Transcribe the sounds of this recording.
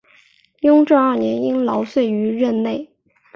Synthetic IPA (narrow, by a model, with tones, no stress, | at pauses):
jʊ˥ŋʈ͡ʂɑ˥˧ɐ˞˥˩njɛ˧˥ni˥ŋlɑ˧˥ʊswe˥˩ɪy˧˥ɻə˥˧nne˥˩ɪ